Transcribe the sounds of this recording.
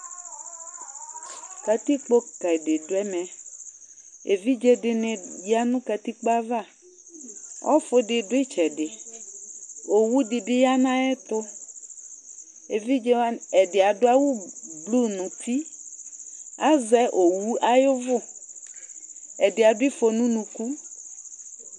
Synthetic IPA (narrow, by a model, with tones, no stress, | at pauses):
ka˨t̪i˦k͡po˦ka˨dɪ˨dʊ˨˦ɛ˦mɛ˨ | e˨vi˦d͡ʒe˦dɪ˨nɪ̃˨jja˦nũ˦ka˨t̪i˦k͡po˦a˦va˦˨ | wʔɔ̰˦fʊ˦dɪ˨dʊ˦e˦t͡ʃɛ˨dɪ˨ | o˨wu˦dɪ˨dɪ˦ja˦nã˦ɛ˦t̪ʊ˦ | e˨vi˦d͡ʒɛ˦a˦ɛ˨dɪ˨a˨dʊ˦a˦wu˦blu˦nũ˨t̪i˦ | a˦zɛ˦ʔo˨wu˦a˦jʊ˦vʊ˦˨ | ɛ˨dɪ˨a˨dʊ˦i˦fo˨nũ˦nũ˨ku˦